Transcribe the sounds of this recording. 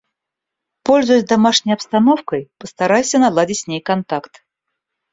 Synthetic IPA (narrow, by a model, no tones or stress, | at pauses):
polʲzʊjʊsʲzʲd̪amaʂnʲəjɐpst̪anɔfkəjpəst̪aɾajsʲənalˠadʲɪt͡sʲsʲnʲejkant̪akt̪